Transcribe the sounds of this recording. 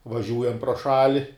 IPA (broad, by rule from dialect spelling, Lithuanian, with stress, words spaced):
ʋɐˈʒʲuːjɛm proː ˈʃɑːlʲɪ